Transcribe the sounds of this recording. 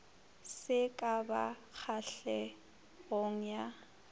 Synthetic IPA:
sɪkʼaba̰k͡xʰaɬɛ | ɣoŋ̩ja

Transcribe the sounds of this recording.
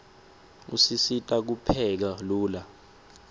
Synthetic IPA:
ṵsisitʼak̬upʰɛk̬aluːla

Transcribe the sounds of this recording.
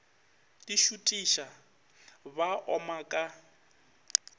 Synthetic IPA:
diʃutʼiʃa | baʔɔmakʼa

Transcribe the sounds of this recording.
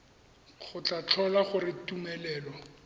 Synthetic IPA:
χʊt͡ɬat͡ɬʰɔlaχʊrɪtumɛlɛːlɔ

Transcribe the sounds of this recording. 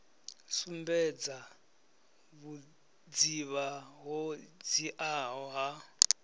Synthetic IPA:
sumbɛd͡za | βu | d͡ziβaɦɔd͡ziʔaɦɔɦa

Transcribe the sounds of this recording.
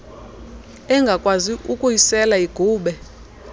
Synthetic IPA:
ɛŋɡʱakʼwaziʔukʼujisɛlaiɡ̥ʱuːɓɛ

